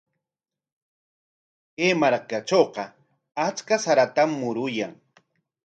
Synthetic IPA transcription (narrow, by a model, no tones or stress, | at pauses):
kemaɾkat͡ʃoːqɑ | at͡ʃkasaɾat̪amːʊɾʊjaŋ